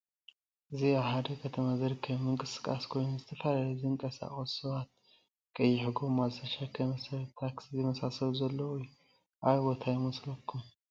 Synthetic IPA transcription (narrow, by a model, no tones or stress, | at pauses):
ʔɨziahad̪ɐkʰət̪ʰəmazəɾkʰɐmɨŋkʼɨsɨ̥kʼa̰skʰo̞jnzɨt̪ʰəfalaziɨŋkʼɐsa̰χʼəsɨwat̪̚ | kʼɐjːɪħɡo̞mazɐʃakʰɐməsɐɾt̪ʰːakszɛmɐsasɐβzɐlːəuj | ʔajbo̞t̪ʰajɪmɨslɐkʰːum